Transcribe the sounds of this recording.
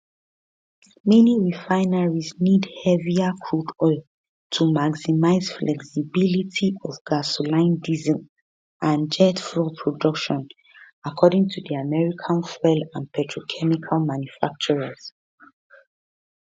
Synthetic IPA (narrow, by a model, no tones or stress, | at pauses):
mɛniɹifãɪnaɹiznidhɛviakʰɹudɔɪlˠ | tʰumaɡsimaɪz̥flʔɛksibilitʰiɔvɡ̥asolãɪ̃ndizə̃m | ʔãnd͡ʒɛtfɹɔpʰɹɔdʌkʃɔ̃n | akʰɔdĩŋtʰuðiamɛɹikʰãnfɛlãnpʰɛtʰɹokʰɛmikʰalmãnjufak̚t͡ʃɔɹaz̥